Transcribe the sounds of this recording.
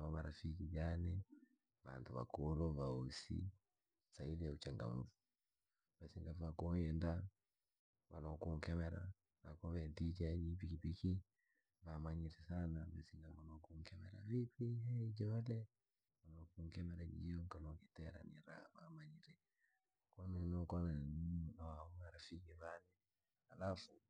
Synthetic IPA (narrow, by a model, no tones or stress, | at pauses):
βamaɾafikid͡ʒanɛ | βa̰ntuβa̰kulɔβausḭ | sailiaut͡ʃaŋɡa̰muvu | basiŋɡavakɔjɛnda | βa̰lɔkuŋkɛmɛɾa̰ | nakɔβɛndit͡ʃad͡ʒip̬ikipiki | vamaɲiɾisanabasiŋɡamalɔkuŋkɛmɛɾa̰vipiɦɛid͡ʒɔalɛ | malɔkuŋkɛmɛɾad͡ʒḭjɔŋkalɔkitɛɾa̰nḭɾa̰βamaɲiɾɛ | kɔnɛnɔkɔnanninaauŋaɾafikɛvanɛ | alafu